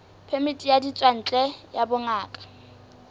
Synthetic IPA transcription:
pʰɛmitʼijadit͡sʼwan̩t͡ɬʼɛjabʊŋaːkʼḁ

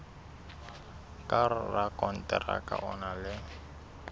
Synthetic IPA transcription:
kʼarʊrakʼɔn̩tʼɛra̰kʼa̰ʔɔnalɪ

